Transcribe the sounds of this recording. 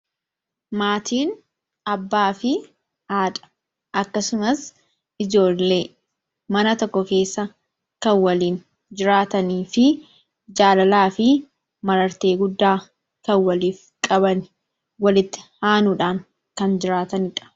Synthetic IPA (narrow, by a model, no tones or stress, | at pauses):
maːt̪iːn | ɐbːaːfɪ | ʔaːᶑɐ̥ | ʔɐkːɐsʊmɐs | ɪd͡ʒo̞ːlːe̞ː | mɐnɐt̪ɔkːɔke̞ːsːɐ | kɐnwɐliːn | d͡ʒɪɾaːt̪ɐniːfɪ | d͡ʒaːlɐlaːfɪ | mɐɾɐɾt̪e̞ːɡʊd̪ːaː | kɐnwɐliːf | kʼɐbɐnɪ | wɐlɪt̪ːɪ̥haːnuᶑaːŋ | kɐnd͡ʒɪɾaːt̪ɐnɪᶑɐ̥